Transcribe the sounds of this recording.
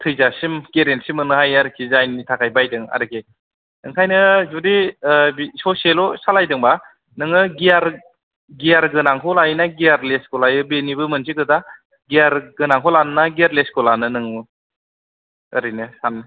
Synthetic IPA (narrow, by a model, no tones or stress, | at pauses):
tʰɯjzasimkeɾensimɯnɯhajaɾɯkʰizajnitʰakʰajbajdɯŋa̰ɾɯkʰi | nɯŋkʰajnɯzudibisɔselɔsalajdɯŋba | nɯŋɯɡiaɾ | ɡijaɾɡɯnaŋkʰɔlajnaɡijaɾleskɔlajɯbenibɯmɯnsʰikɯda | ɡijaɾɡɯnaŋkʰɔlannaɡiaɾleskɔlanɯnɯŋɯ | ɯɾɯjnɯsanɯ